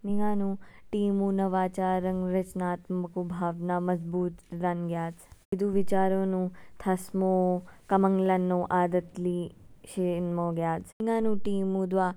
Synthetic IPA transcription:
niŋaːnũʈiːmũːnɐʋaːt͡ʃaːɾɐŋɡɾɐt͡ʃnaːt̪mɐkubʱaːʋnaːmɐzbuːt̪ɾɐnɡjaːd͡zʋid̪ʱuʋit͡ʃaːɾõːnũːt̪ʰɐsmoːkɐmɐŋlɐnːõːʔaːd̪ɐt̪liːʃinmoːɡjaːd͡znɪŋaːnũːʈiːmũːd̪ʋaː

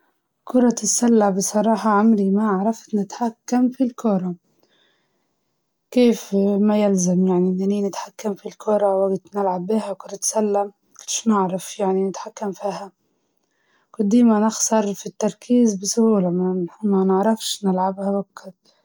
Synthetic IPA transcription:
kʊɾˤɑt̪ɪsːalːabɪsˤɑɾˤɑːħɑʕamlimaʕɾˤɑft̪nɪt̪ħakːamfilkʊɾˤɑ | keːfmajɪlzamjaʕninaniːnɪt̪ħakːamfilkʰʊɾˤɑwaɡt̪nɪlʕabːiːhakʊɾˤɑt̪salːam | ɡɪ̥ʃnɪʕɾˤɑfjaʕninɪt̪ħakːamfiːha | kʊd̪ːiːmanɪxsɑɾˤfit̪ːɑɾˤkʰiːzbɪsʊhuːlamamanɪʕɾˤɑfʃnɪlʕabhawakːad̪

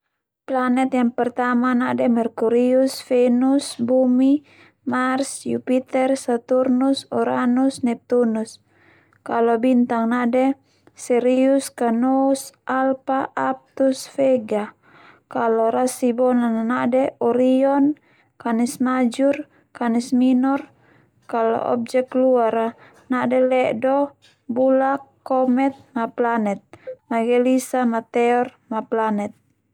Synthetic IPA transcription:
planɛt̪jaŋpɛrt̪amanadɛmɛrkuɾiusfɛnusbumi | marsjupit̪ɛrsat̪urnusɔɾanusnɛp̚t̪unus | kalɔbint̪aŋnadɛ | sɛɾiuskanɔsʔalpaʔːp̚t̪usfɛɡa | kalɔɾasibɔnananadɛɔɾiɔn | kanɛsmad͡ʒur | kanɛsminɔr | kalɔ̰ʔɔ̰b̚d͡ʒɛk̚luaɾa | nadɛlɛʔdɔ | bulakːɔmɛt̪̚maplanɛt̪̚maɡɛlisamat̪ɛɔrmaplanɛt̪̚

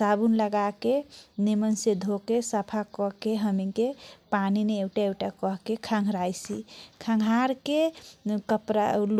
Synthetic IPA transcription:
sabunləɡakenemənsed̪ʱokesəpʰakɔɦkeɦəmikepanineewʈaewʈakɔɦkekʰaŋɡʱɾajsḭkʰãŋɡʱaɾkekəpɾa̰l

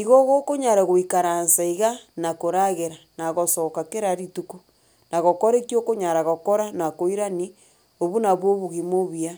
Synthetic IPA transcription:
iɣoɣokoɲaɾaɣoikaɾansaiɣanakoɾaɣeɾanaɣosokakeɾaɾituku | naɣokoɾekjokoɲaɾaɣokoɾanakoiɾani | oβunaβwoβuɣimoβia

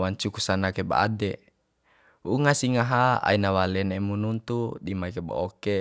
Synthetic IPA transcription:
waɲt͡ʃukusanakeba̰a̰dɛ | uŋasiŋaɦaa̰inawalɛnɛmununt̪udimaikeba̰oke

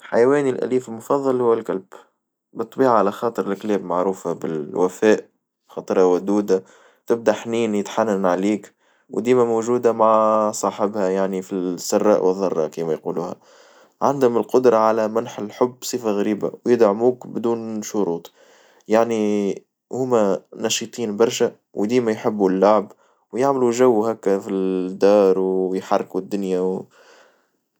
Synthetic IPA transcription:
ħajwɛːnilʔæ̰liːfɪlmʊfɑðˤːɑlhʊwːɪlkalb̥ | bɨt̪ˤːbiːʕaʕalæxɑːt̪ˤɨɾɪlklɛːbmaʕɾuːfabɪ̰lwæfɛːʔ | xɑːt̪ˤɾˤɑwæd̪uːd̪a | t̪ɪb̚d̪aħniːnjɪt̪ħanːanʕaliːk | wd̪iːmæmoʒuːd̪amaʕsˤɑːħɪbhæjaʕnifisːɑrˤːɑ̰ːʔwəðˤːɑrˤːɑ̰kiːmæjquːluːhæ̰ | ʕand̪ʊmɪlqʊd̪ɾˤɑʕalæmanħɪlħʊbːsˤɨfaɣɾiːba̰wjɪd̪ʕmuːkbd̪uːnʃʊɾuːt̪ˤ | jaʕni | hʊmːænɑʃɨt̪ˤiːnbɑɾˤʃæ | wd̪iːmæjħɪbːulːaʕb | wjaʕmluʒæwːhækːfid̪ːɑːɾˤwjħɑrˤːkud̪ːʊnjaw

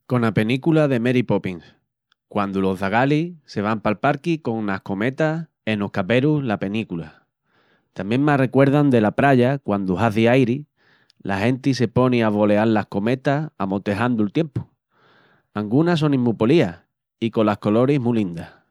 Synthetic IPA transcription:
ko̞nape̞nikulaðe̞me̞ɾipo̞piŋs | kwand̪ulo̞ɦðaɣ̞alise̞β̞ampalpaɾkiko̞ŋlahko̞me̞t̪as | e̞nohkape̞ɾulape̞nikula̰ | t̪ambjeŋmare̞kwe̞ɾð̞and̪e̞lapɾaʝakwand̪uɦaθiajɾi | lʔa̰hẽ̞nt̪is̬e̞po̞niaβo̞le̞allahko̞me̞t̪aamo̞t̪e̞ɦand̪ult̪je̞mpu̥ | aŋɡunas̬o̞nĩmːupo̞lia | iko̞lahko̞lo̞ɾiɦmulind̪a

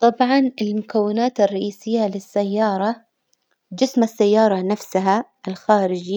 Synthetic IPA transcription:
t̪ˤɑbʕɑnɪlmʊkawːɪnaːt̪ɪrˤːɑʔiːsɪjːalɪsːajːɑːɾˤɑ | d͡ʒɪsmasːajːɑːɾˤɑnafsaɦaʔɪlxaːɾɪd͡ʒ

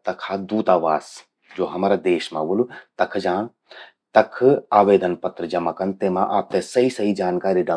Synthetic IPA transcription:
t̪ɐkʰaːd̪uːt̪aːʋaːs | d͡ʒoːɦɐmaːɾad̪eːʃmã̰ʋulut̪ɐkʰd͡ʒaːɽ̃ | t̪ɐkʰaːʋeːd̪ənpɐt̪ɾəd͡ʒɐmakɐnt̪eːmãʔaːp̚t̪esɐɦisɐɦid͡ʒaːnkaːɾiɖɐ

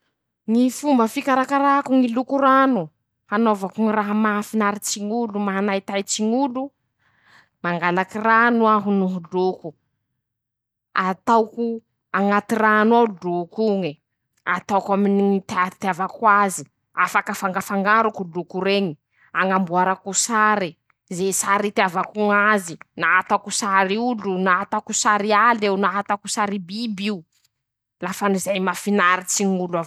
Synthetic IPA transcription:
ŋifumbəfikaɾakaɾakuŋilukuɾanu | hanovakuŋiraɦamafinaɾit͡ʃiŋulumaɦanajt̪ajt͡ʃiŋulu | maŋɡalakiranuaɦunuɦuluku | at̪awku | aŋat̪iranwaudukuŋi | at̪awkaminit̪aɾit̪iavakwazi | afakafaŋɡafaŋɡaɾukulukuɾeɲi | aŋambuaɾakusaɾi | zesaɾit̪iavakuŋazinaat̪akusaɾiulunaat̪akusaɾialewnaɦat̪akusaɾibibiu | lafanizajmafinaɾit͡siŋulav

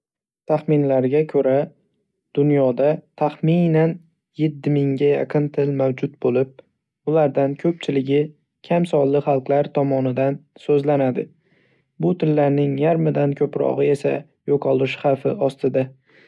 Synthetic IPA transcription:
t̪ʰaχmɪnlaɾɡʲakʰɵɾa | d̪̥ʊnjɒd̪at̪ʰaχminan | jet̪ːɪmɪŋɡʲaja̰qʰɨnt̪ʰɪlmawd͡ʒʊt̪̚bolɪp̚ | ʊlaɾd̪ankʲʰɵp̚t͡ʃʰɪlɪɡʲɪ | kʲʰamsɒlːɪχɑlˠqlˠaɾt̪ʰɒmɒnɪd̪ansɵzlanad̪ɪ̰ | bʊt̪ʰɪlːaɾnɪŋjaɾmɪd̪ankʲʰɵpɾɒ̰ʁɨe̞sa̰ | joqʰɒlˠɪʃχɑfɪɒst̪ɪd̪a

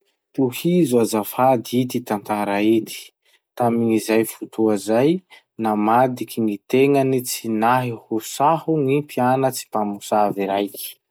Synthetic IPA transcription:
t̪uhizuazafad̪iit̪it̪ant̪aɾait̪i̥ | t̪amiŋizajfut̪ʰuazaj | namad̪ikiŋit̪eŋənit͡sinaɦihusahuŋipianət͡si̥pamusaviɾajki̥

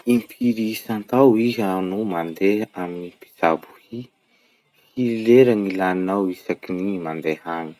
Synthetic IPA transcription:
impʰiɾisant̪awiɦanumand̪eɦaminipi̥z̥abu̥hi | hiɾileɾanilaninawisakinimand̪ehani̥

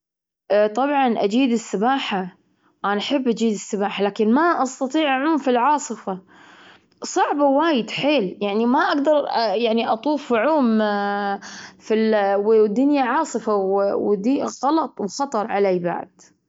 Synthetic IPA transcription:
t̪ˤɑbʕɑnʔad͡ʒiːd̪ɪsːɪbaːħa | ʔanaħɪbːʔad͡ʒiːd̪ɪsːɪbaːħalaːkɪnmaʔɑst̪ɑt̪ˤiːʕʔaʕuːmfilʕɑːsˤɨfa | sˤɑʕbawaːjɪd̪ħeːljaʕnimaʔaɡd̪ɑɾˤjaʕniʔɑt̪ˤuːfʕuːm | filwd̪ʊnjaʕɑːsˤɨfawwd̪iɣɑlɑt̪ˤwxɑt̪ˤɑɾˤʕaleːba̰ʕd̪̥

